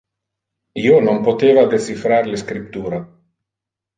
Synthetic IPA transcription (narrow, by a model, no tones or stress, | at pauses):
iːonompot̪eːvad̪et͡sifɾaɾleskɾip̚t̪uːɾa